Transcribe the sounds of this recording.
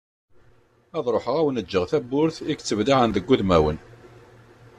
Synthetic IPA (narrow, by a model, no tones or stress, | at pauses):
æðˤɾˤoħəʁæwənəd͡ʒːəʁθæbʊɾθikt͡sːəvliʕənðəɡʷːuðmæwən